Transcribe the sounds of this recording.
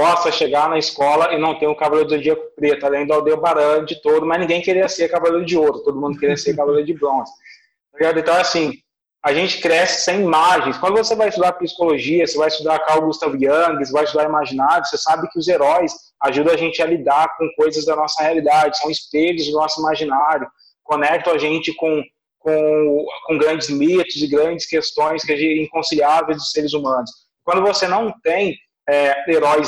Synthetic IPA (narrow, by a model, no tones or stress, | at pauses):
bɔst̪ɐʃeɡanɐiskɔlɐʔenɐ̃w̃t̪ẽɲ̃ʊkavaleɾʊd̪od͡ʒiɐkpɾet̪ʊalẽj̃d̪ʊawd̪ewbaɾɐ̃nd͡ʒɪt̪od̪ʊmɐznĩɡẽj̃keɾiɐseɾkavaleɾʊd͡ʒɪoɾʊt̪od̪ʊmũnd̪ʊkeɾiɐseɾkavaleɾʊd͡ʒɪbɾõzɪ | t̪iɡad̪ẽt̪ɐ̃w̃asĩ | aʒẽnt͡ʃɪ̥kɾɛsɪ̥sẽj̃imaʒẽj̃skwɐ̃nd̪ʊvosevajɪst̪ud̪aɾpisi̥koloʒiɐsevajɪst̪ud̪aɾkawʊɡust̪avʊjɐ̃ŋɡɪsvajst̪ud̪aɾimaʒinajʊsesabɪkɪʊzeɾɔjs | aʒud̪ɐ̃aʒẽnt͡ʃɪɐlid̪aɾkõkojzɐzd̪ɐnɔsɐhealid̪ad͡ʒɪsɐ̃w̃ɪsped͡ʒ̪ʊzd̪ʊnɔsʊimaʒinaɾjʊ | konɛk̚t̪ɐ̃w̃ɐʒẽnt͡ʃɪkõ | kõkõɡɾɐ̃nd͡ʒɪzmit̪ʊzɪɡɾɐ̃nd͡ʒɪskest̪õj̃skɪaʒẽĩkõsiliavejzd̪ʊseɾɪzumɐ̃nʊs | kwɐ̃nd̪ʊvosenɐ̃w̃t̪ẽj̃ | ɛeɾɔjs